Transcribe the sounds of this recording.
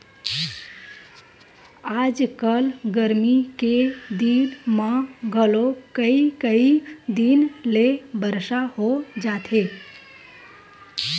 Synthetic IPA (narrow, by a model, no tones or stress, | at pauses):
ad͡ʒkəlɡəɾmiked̪inməɡʱəlokəikəid̪inlebəɾsaɦod͡ʒat̪ʰe